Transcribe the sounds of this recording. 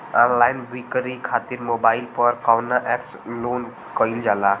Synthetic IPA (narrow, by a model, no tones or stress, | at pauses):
anlajnbikɾikʰat̪iɾmobaɪlpəɾkawnaʔɛpslon | kəild͡ʒala